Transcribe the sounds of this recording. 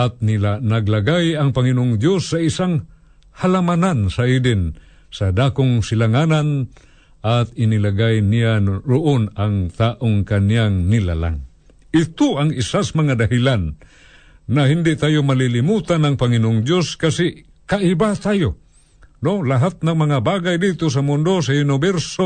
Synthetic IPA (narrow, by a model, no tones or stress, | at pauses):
at̪̚nɪlanaɡlaɡajɐŋpaŋɪnoʔʊŋd̪josːaisaŋ | halamanansaʔidɪn | sad̪aːkoŋsɪlaŋanan | ʔat̪̚ɪnilaɡajnijaɾʊʔonaŋt̪aʔoŋkanjaŋnɪla̰la̰ŋ | ɪt̪ʊaŋisasmɐŋad̪aɦilanː | ahind̪ɪʔt̪aːjomalilimut̪anaŋpɐŋinoʔʊŋdjoskasɪʔ | kaʔibat̪aːjo | nolaɦat̪̚naŋmɐŋabaɡajd̪it̪os̬amʊnd̪os̬ajʊnɪbɛɾso